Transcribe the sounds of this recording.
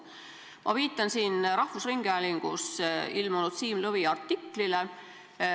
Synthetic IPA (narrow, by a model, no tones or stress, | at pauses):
mɑ̰viːt̪ːˑɑnsiːnɾɑhvusriŋɡ̥eæliŋɡ̥usilmonut̪siːmlɤviɑrt̪ːikːlile